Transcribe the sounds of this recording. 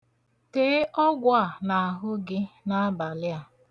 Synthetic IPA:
teː˦ʔɔ˦ɡʷa˨na˨a˨ɦʊ˦ɡɪ˦na˦a˦ba˨lɪ˦a˨

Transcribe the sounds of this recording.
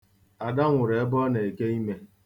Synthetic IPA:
a˨da˦ŋʷʊ˨ɾe˨e˦bɔ˦ne˨e˨ke˦i˦me˦

